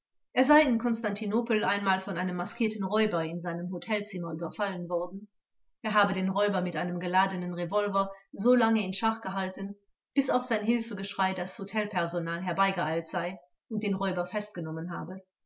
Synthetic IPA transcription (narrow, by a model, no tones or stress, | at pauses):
ʔeːɐzaɪɪnkʰɔnstantʰinoːpl̩ʔaɪnmaːlfɔnʔaɪnəmːaskʰiːɐtn̩ʁɔʏbɐɪnzaɪnəmɦotʰɛlt͡sɪmɐʔyːbɐfalənvɔɐdn̩ | ʔeːɐɦaːbədeːnʁɔʏbɐmɪtʔaɪnəmɡəlaːdənənʁevɔlvɐzoːlaŋəɪnʃaχɡ̥əɦaltən̩ | b̥ɪsaʊxz̥aɪnɦɪlfəɡəʃʁ̥aɪdashotʰɛlpʰɛɐzonaːlɦɛɐbaɪɡəaɪltz̥aɪ | ʔʊnt̚d̥eːnʁɔʏbɐfɛst̚ɡ̥ənɔmənɦaːbə